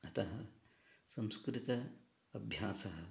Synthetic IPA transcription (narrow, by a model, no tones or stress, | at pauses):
ɐt̪ɐɦɐ | sɐ̃mskɾɪt̪ɐɐbʱjaːsɐɦɐ